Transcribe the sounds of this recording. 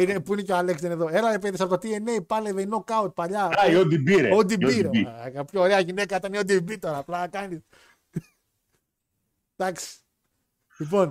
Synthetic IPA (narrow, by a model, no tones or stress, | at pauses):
inepuine̞coalekst̪eneðo̞eɾɐɾep̬eðisɐpot̪ot̪ieneipɐleveinokɐot̪̚paʎɐaiod̪ibiɾeod̪ibiɾeikɐpçooɾeɐʝinekɐit̪ɐneod̪ibit̪o̞ɾɐːplɐkɐnis | d̪̥ɐksi̥ | lipo̞n